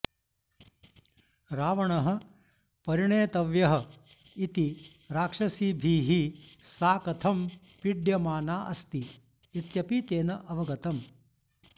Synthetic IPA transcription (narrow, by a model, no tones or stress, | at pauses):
ɾaːʋɐɳɐɦɐ̆ | pɐɾiɳeːt̪ɐʋjɐɦɐit̪i | ɾaːkʂɐsiːbʱiːɦisaːkɐt̪ʰɐm | piɖjɐmaːnaːʔɐ̰st̪iː | t̪jɐpit̪eːnɐʔɐʋɐɡɐt̪ɐm